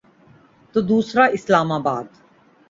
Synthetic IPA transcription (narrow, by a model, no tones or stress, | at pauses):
t̪od̪uːsɾaːʔɪslaːmaːbaːd̪